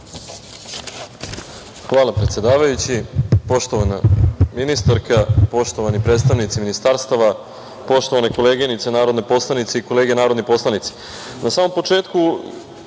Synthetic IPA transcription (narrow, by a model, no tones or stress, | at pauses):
xʋaːlˠapɾet̪sʲjed̪aːʋajut͡ɕipo̞ʃt̪o̞ʋana̰minist̪aɾkapo̞ʃt̪o̞ʋanipɾe̞ːt̪st̪aʋnit̪siminist̪aɾst̪aʋa | po̞ʃt̪oʋaneko̞leːɡenit̪senaːɾod̪nepo̞slˠanit̪seiko̞le̞ːɡenaːɾod̪nipo̞slˠanit̪se̥ | nasaːmo̞mpo̞t͡ʃe̞ːt̪ku